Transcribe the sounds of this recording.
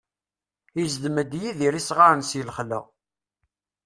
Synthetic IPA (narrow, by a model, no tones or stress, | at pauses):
izd̪mæd̪jiðiɾisʁaɾənsjəlχlə̰ʁ